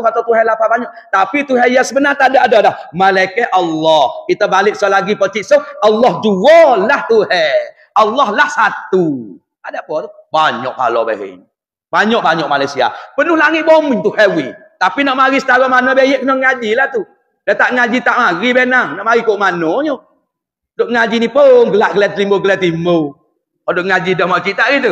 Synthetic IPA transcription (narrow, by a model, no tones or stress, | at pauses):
at̪at̪uɦɛlapabaɲɔʔt̪apit̪uɦɛjasəbənart̪aʔdaʔadalahmalaikɛʔalːɔhkit̪abalɪk̚sɔlaɡipɔt͡ʃiʔsoalːɔhd͡ʒuɔlaht̪uhɛ | alːɔhlahsat̪u | adaʔpɔt̪u | baɲɔ̰ʔka̰lɔ̰bḛɦḛɲ | baɲɔʔ̚baɲɔʔmalajsia̰pənuhlaŋɪʔ̪̚bɔmiɲt̪uhɛwi | t̪apinɔʔmaɾisə̥t̪aɡɔʔmanɔbejeʔknɔŋad͡ʒilaht̪u | dat̪aʔŋad͡ʒit̪aʔmaɣibenaŋnɔʔmaɾikoʔmanɔɲo | doʔŋad͡ʒinipoŋɡəlaʔɡəlat̪limboɡəlɛt̪imo | ɔdoʔŋad͡ʒidɔhmɔt͡ʃiʔt̪aʔɡit̪u